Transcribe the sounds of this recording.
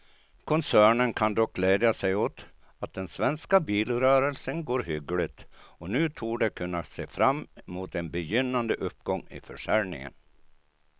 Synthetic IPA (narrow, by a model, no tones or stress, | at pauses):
kʰɔnsæːɳənkʰand̪ɔk̚ɡleːd̪jasɛjot̪ | at̪̚d̪ɛnsvɛnskabiːlɾœːɾəlsənɡoːɾɦʏɡəlɪt̪ɔnʉ̟ːt̪ʰuːɖɛkʰɵnːaseːfɾamːmuːt̪ɛnbɛjʏnːand̪əʔɵpːɡɔŋːɪ̰fœʂæɾnɪ̰ŋə̰n